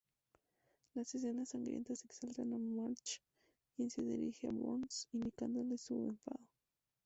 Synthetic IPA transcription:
lases̬enasːaŋɡɾjḛnt̪aseksalt̪anamaɾt͡ʃ | kjenseðḭɾixea̰βo̰nsind̪ikand̪olesueɱfa̰ðo

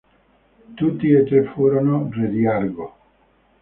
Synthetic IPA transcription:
t̪ut̪ːiet̪ɾefuːɾonored̪jaɾɡo

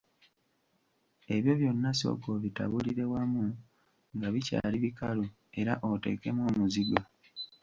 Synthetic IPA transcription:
e̞βjo̞βjo̞nːaso̰ɡo̞βita̰βuliɾe̞wamu | ŋɡaβica̰ːliβikalu | e̞ɾaʔo̞te̞̰ːke̞mwo̞ːmuziɡa

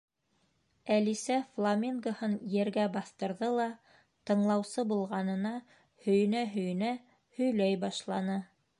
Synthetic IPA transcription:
ælisæflˠamʲiŋɡohɤnjɘ̆ɾɡæbɑθt̪ɤ̆ɾðɤlˠɑ | t̪ɤ̆ɴlˠɑwsɤbulˠʁɑnɤ̆nɑ | hɵ̆jɘ̆næɦɵ̆jɘ̆næ | hɵ̆jlæjbɑʃlˠɑnɤ

